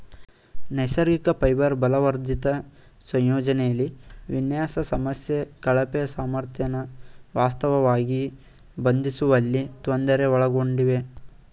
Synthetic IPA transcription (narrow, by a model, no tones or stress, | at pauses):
nɐjsɐɾɡikɐpɐjbɐɾbɐlɐʋɐɾd̪it̪ɐ | sɐ̃jjɔːd͡ʒɐnɛjɐlːiʋinjaːsɐsɐmɐsjekɐɭɐpɛjɐsaːmɐɾt̪ʰjɐnɐʋaːst̪ɐʋɐʋaːɡi | bɐnd̪isuʋɐlːit̪ond̪ɐɾeɔɭɐɡo̞ɳɖiʋe̞